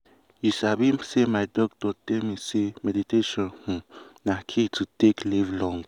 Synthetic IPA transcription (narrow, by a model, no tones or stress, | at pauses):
jisabimsimajd̪ok̚t̪ot̪emisimed̪it̪eʃonhũnahkʰit͡sɨt̪eklivloŋɡ